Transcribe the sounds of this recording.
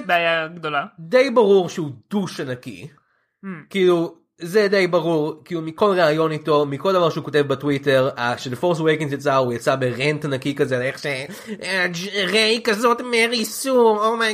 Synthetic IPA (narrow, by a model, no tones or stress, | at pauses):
beajaɡd̪olad̪ejbaʁuʁʃeud̪̥uʃanakḭ | kiːlu | zed̪ejbaʁuʁkilumiko̞lʁeajo̞nito̞miko̞ld̪avaʁʃeuko̞t̬e̞vbatwite̞ʁaʃelefoʁstwejkiŋzjat͡saujat͡sabe̞ʁentanakikazeleχʃe | ʁejkazo̞tmeʁisuoma